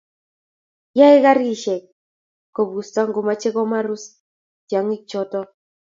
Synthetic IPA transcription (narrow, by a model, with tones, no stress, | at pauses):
ja˦e˦ɣa˦ɾi˦ʃɛ˨k̚ | kːɔ˨βu˨sta˦ŋɡo˨ma˦t͡ʃɛ˦ɣɔ˦ma˦ɾu˦s | tja˨ŋi˦t͡ʃɔ˦tɔ˦